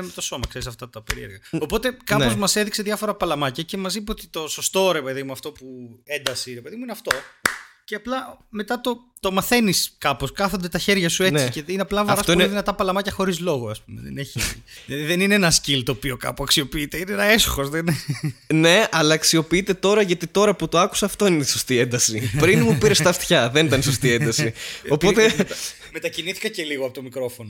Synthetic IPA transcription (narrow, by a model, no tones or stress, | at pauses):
met̪o̞so̞mɐkse̞ɾisɐft̪ɐt̪ɐpḛɾieɾɣɐo̞po̞t̪e̞kɐo̞zmɐse̞ðikse̞ðjɐfo̞ɾɐpɐlɐmɐcɐce̞mɐzimot̪i̥t̪o̞so̞st̪o̞ɾe̞pe̞ðimuɐft̪o̞pue̞nd̪ɐsiɾe̞pe̞ðimuineɐft̪o̞ce̞ɐplɐme̞t̪ɐt̪o̞ | t̪o̞mɐθe̞niskɐpo̞skɐθo̞nd̪et̪ɐçe̞ɾʝɐsue̞t͡siiceineɐplɐvɐɾɐsomðinɐt̪ɐpɐlɐmɐcɐxo̞ɾizlo̞ɣoɐspumḛðḛneçilɐðiðenineenɐscilt̪o̞pio̞kɐ̰puɐksio̞piit̪e̞ineenɐe̞so̥xo̞zðenene̞ɐlɐːksio̞piit̪e̞t̪o̞ɾɐʝɐt̪it̪o̞ɾɐput̪o̞ɐku̥sɐːft̪o̞inet̪isost̪iend̪ɐsipɾinmupiɾest̪ɐft̪çɐðenit̪ɐnisost̪iend̪ɐsiopo̞t̪e | me̞t̪ɐciniθi̥kɐce̞liɣoɐpot̪omikɾo̞fono